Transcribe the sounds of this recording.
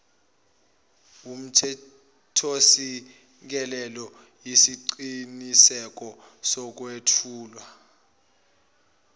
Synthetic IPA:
um̩tʰɛ | tʰosi | k̬ɛlɛlɔ | jisiǀinisɛk̬ɔ | sɔk̬wetʰuːlwa

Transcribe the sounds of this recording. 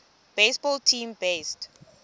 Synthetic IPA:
b̥esbɔltʰĩmbest

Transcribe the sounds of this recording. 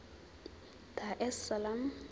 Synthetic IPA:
tʰaʔɛsalam

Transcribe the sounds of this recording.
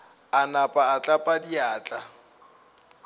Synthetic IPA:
anapʼaːt͡ɬʼapʼadiaːt͡ɬʼa

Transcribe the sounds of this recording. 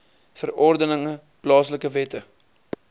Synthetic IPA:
fərɔrdənəŋə | plɑːsləkəvɛtə

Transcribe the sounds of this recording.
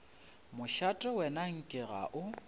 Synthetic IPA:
mʊʃatʼɛwɛnaŋ̩kʼɪɣa̰ʔʊ

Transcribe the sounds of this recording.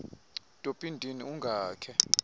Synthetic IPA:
tʼopʼindʱiniuŋɡʱaːkʰɛ

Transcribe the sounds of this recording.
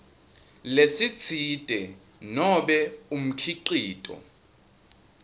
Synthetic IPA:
lesit͡sʰitʼɛ | nɔɓɛum̩kʰiǃiːtʼɔ̰

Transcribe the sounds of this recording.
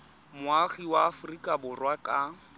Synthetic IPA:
mʊaχiwaːfʊrikʼabʊrwakʼa

